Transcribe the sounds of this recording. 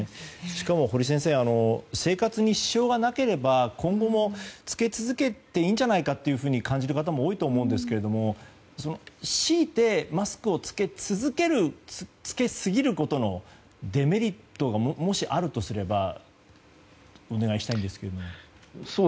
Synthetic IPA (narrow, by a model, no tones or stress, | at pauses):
ɕɕi̥kamo̞ɦo̞ɾʲis̬ẽs̬eːano̞se̞ːkat͡sɨɲ̟iɕi̥ɕo̞ːɡanake̞ɾe̞bakʰõ̞ŋɡo̞mo̞t͡sɨ̥ke̞t͡sɨzɨke̞t̪e̞iːɲ̟d͡ʑanaikat̪ːe̞jɯ̟ɸɯ̟ːɲ̟ikʰãɲ̟d͡ʑiɾɯ̟kat̪̬amo̞ːit̪o̞ːmo̞ɯ̟̃nd̪e̞sɨ̥ke̞ɾe̞d̪o̞mo̞ | so̞no̞ɕiːt̪e̞masɨ̥kɯ̟o̞t͡sɨ̥ke̞t͡sɨzɨke̞ɾɯ̟t͡sɨ̥ke̞sɨɡʲiɾɯ̟ko̞t̪o̞no̞ | d̪e̞me̞ɾʲit̪ːo̞ɡammo̞ɕiʔaɾɯ̟t̪o̞sɨɾe̞ba | o̞ne̞ɡaiɕi̥t̪aĩnd̪e̞sɨ̥ke̞ɾe̞d̪omo | so